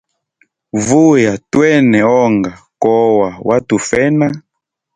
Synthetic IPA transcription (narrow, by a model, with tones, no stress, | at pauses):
vu˦ja˨twɛ˦nɛ˨ɔ˦ŋɡa˨kɔ˦wa˨wʔa˦tu˨fɛ˦na˦